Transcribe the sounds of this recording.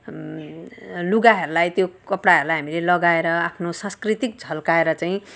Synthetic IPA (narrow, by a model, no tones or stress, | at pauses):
luɡaɦʌɾulajt̪jokʌpɽaɦʌɾulajɦamilelʌɡaeɾʌapʰnosãskrit̪ik̚d͡zʱʌlkaeɾʌt͡saĩ